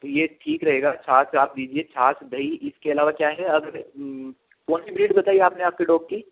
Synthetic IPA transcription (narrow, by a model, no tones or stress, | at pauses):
t̪ojeːʈʰiːkɾɐɦeːɡat͡ʃʰaːsaːp̚d̪iːd͡ʒiet͡ʃʰaːsd̪ʱɐiɪskeɐlaːʋakjaːɦɛɐɡəɾ | pɔːnsɪbɪlɪʈibɐt̪aːieaːpneaːp̚keɖoːɡ̚kiː